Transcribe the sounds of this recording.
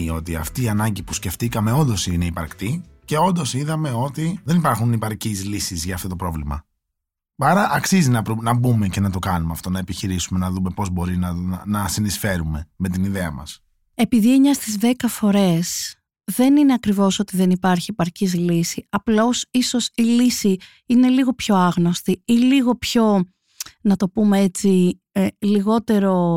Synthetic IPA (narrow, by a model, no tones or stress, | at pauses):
o̞t̪iɐ̰ft̪iːɐnɐɲɟipusce̞ft̪ikɐme̞o̞nd̪o̞sine̞ipɐɾkt̪i | ce̞o̞nd̪o̞siðɐme̞o̞t̪iðe̞nipɐɾxunipɐɾcizlisizʝɐːft̪o̞t̪opɾo̞vlimɐ̰ | ɐɾɐʔɐksizinɐpɾunɐbume̞ce̞nɐt̪o̞kɐnumeɐft̪o̞nɐepiçiɾisume̞nɐðume̞po̞zbo̞ɾinɐnɐsinisfe̞ɾume̞me̞t̪iniðeɐ̰mɐ̰s | e̞piðieɲɐst̪izðe̞kɐfo̞ɾe̞s | ðe̞nine̞ɐkɾivo̞so̞t̪iðenipɐɾçie̞pɐɾcizlisiɐplo̞siso̞silisi | ine̞liɣo̞pço̞ɐɣno̞st̪iiliɣo̞pço̞ | nɐt̪o̞pumeet͡si | liɣo̞t̪e̞ɾo̞